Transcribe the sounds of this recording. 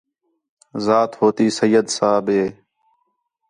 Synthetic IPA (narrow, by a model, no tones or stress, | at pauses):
zaːt̪hoːt̪iːsəjːəd̪saːbeː